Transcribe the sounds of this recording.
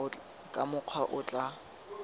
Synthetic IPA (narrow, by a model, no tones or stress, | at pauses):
kʼamʊq͡χʰwaʔʊt͡ɬʼa